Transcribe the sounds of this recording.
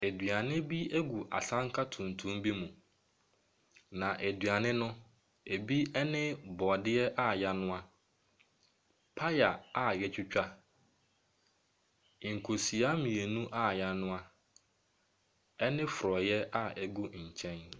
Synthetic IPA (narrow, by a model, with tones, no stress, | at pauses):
e˨dɥa˨nɪ̃˦bi˦æ˦ɡu˨ʔa̰˨sã˦ŋ˦kʰa˦tʰũ˨n˨tʰũ˦mbi˦mũ˨ | nã˨ʔe˨dɥa˨nɪ̃˦nʊ̃˦ | e˨bi˦ɛ˦nɪ̃˦bɔ˨dɪ˦ɛ˦ʔa˦ja˦nʊ̃˦a˦ | pʰa˦ja˨a˨jɛ˦t͡ɕʰᶣʊ˦t͡ɕᶣa˦˨ | ŋ̩˨kʰo˨si˨a˦mĩ˨e˨nũ˦ʔa˦˨ja˦nʊ̃˦a˦ | ɛ˦nɪ̃˦fʊ˨ɾɔ˨jɛ˦ʔa˦˨ɛ˦ɡu˦ɲ̩˨t͡ɕʰɛ̃˦n